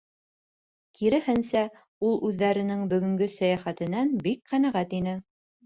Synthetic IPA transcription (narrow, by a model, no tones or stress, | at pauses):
kiɾɘ̆hɘnsæ | ulˠʉðːæɾɘ̆nɘŋbɵ̆ɡɵ̆ŋɡɵsæjæχæt̪ɘ̆nænbik̚qænæʁæt̪inɘ